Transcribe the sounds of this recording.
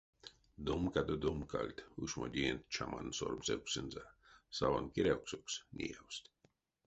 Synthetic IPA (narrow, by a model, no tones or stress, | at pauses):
d̪omkad̪od̪omkalʲt̪uʃmod̪ʲiɛnt̪t͡ʃʰama̰nsoɾmsɛwksɨnzasavankiɾʲɛwksoksnʲḭawst̪ʲ